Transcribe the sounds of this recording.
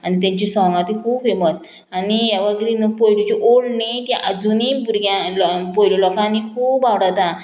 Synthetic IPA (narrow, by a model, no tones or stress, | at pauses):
anit̪̬jãɲt͡ɕisɔ̃ŋɡat̪ikʰuːbfeməs | anijaʋəɡɾinpojlut͡ɕiʔoɭnit̪jãʔəd͡zunibuɾɡjãlɔpojlɔlɔkãnikʰuːbawɽat̪ã